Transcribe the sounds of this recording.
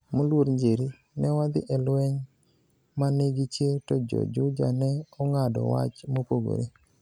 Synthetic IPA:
molwoɾɲd͡ʒeɾi | nɛwad̪ɪʔɛlwɛɲ | maneɡit͡ʃjetɔd͡ʒɔ̰d͡ʒʊd͡ʒanɛɔŋadɔ̰wa̰t͡ʃmopoɡo̰ɾe

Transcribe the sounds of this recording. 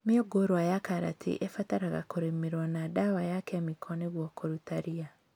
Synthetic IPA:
meoɡoɾwajakaɾa̰tʰḛʔefataɾaɣa̰koɾemeɾwanadawajakɛamikʰɔneɣwɔkʰoɾutaɾia

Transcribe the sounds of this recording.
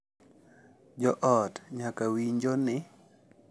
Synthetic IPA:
d͡ʒɔʔɔtɲakawiɲd͡ʒonɪ

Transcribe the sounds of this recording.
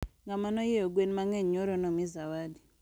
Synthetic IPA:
ŋɡamanɔjijɔɡwɛnmaŋɛɲɔɾɔnɔmizawadi

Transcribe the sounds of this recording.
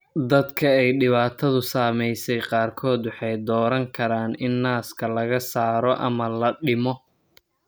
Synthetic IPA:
d̪ɐd̪kʰɐɛjɖɪβaːt̪ʰɐðʊsaːmɛjsɛjqɑːrkʰɔːd̪wɑħɑjd̪ɔːɾɐŋkʰɐɾaːnɪnːaːskʰɐlɐɣɐsaːɾɔʔɐ̰mɐlɐɖɪmɔ

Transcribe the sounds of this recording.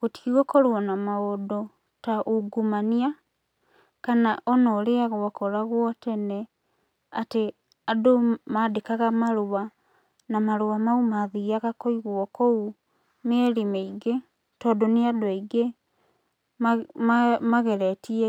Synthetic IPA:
ɣoti̥kiɣɔkɔɾwɔnamaodɔ | taʔoɡumania | kanaʔɔnɔɾeaɣwakɔɾaɣwɔtɛnɛ | ate | adomadekaɣamaɾowa | namaɾowamaumaðiaɣakoiɣwɔkɔu | neɛɾimɛiɡe | tɔːdoneadoaiɡe | a | maɣɛɾɛtiɛ

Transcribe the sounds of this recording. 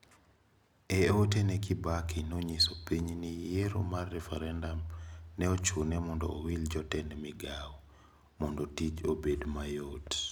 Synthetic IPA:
ɛotenɛkɪbakinoɲisopiɲnijeɾo̰marːɛfɛɾɛndamnɛot͡ʃunɛmɔndɔ̰ːwild͡ʒɔtɛnɛmɪɡaw | mɔndotit͡ʃobedmajot

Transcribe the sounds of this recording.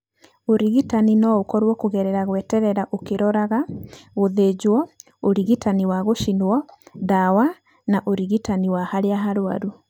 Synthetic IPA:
oɾiɣitaninɔokɔɾwɔkoɣɛɾɛɾaɣwɛtɛɾɛɾaʔokeɾɔɾaɣaoðed͡ʑwɔ | oɾiɣitaniwaɣoʃinwɔdawa | naʔoɾiɣitaniwahaɾeaɦaɾwa̰ɾu

